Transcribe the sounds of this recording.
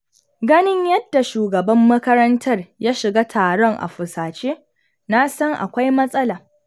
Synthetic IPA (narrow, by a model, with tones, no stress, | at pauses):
ɡɐ˦nɪ˦ɲjɐ˦d̥ːa˨ʃuː˨ɡɐ˨bɐ˦mːɐ˦kɐ˦ɾɐ˦ntʰɐ˦rjaː˦ʃɪ˨ɡaː˦tʰaː˨ɽɔ˦ŋʔa̰˨ɸʊ˨saː˨t͡ʃeː˦ | na˦sɐ˦ŋʔa̰˨kʷa˦jmɐ˦sʼɐ˦laː˨